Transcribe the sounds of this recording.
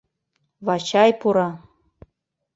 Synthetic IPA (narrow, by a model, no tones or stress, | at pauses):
vɑt͡ɕɑjpuɾɑ